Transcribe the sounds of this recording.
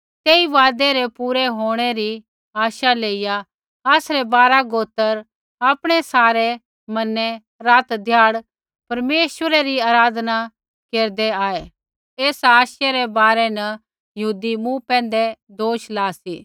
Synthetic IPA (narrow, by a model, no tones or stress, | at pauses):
t̪eːiʋaːd̪eɾepuːɾɛɦoːɽ̃eɾi | aːʃaleːɪja | ɐːsɾɛbaːɾaɡoːt̪əɾ | aːpɽ̃ɛsaːɾe | mɐnɛ | ɾaːt̪d̪ʱjaːɽ | pɐɾmeːʃʋəɾeɾiaːɾaːd̪na | keːɾd̪eaːe | eːsaːʃjeɾɛbaːɾɛnɐ | jɐɦuːd̪imũpɛ̃ːnd̪ɛd̪oːʃlaːsḭː